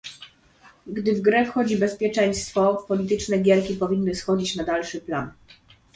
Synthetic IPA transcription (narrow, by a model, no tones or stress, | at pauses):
ɡd̪ɘvɡɾɛfxɔd͡ʑibɛspʲjɛt͡ʂɛj̃st̪fɔfpɔlʲit̪ɘt͡ʂnɛɡʲjɛɾkʲipɔvʲinːɘsxɔd͡ʑit͡ɕnad̪alʂɘplan